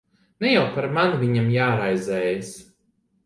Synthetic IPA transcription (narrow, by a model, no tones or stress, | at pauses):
nɛjawpaɾmanvʲiɲamjaːɾajzɛːjas